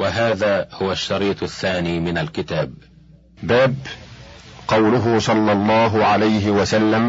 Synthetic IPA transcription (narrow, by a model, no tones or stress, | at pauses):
waɦaːðaːhʊwaʃːɑɾiːt̪ˤaθːaːniːmɪnalkɪt̪aːb̚ | baːb | qɑwlʊɦʊsˤɑlːɑlˤːɑːɦʊʕalajɦɪwasalːam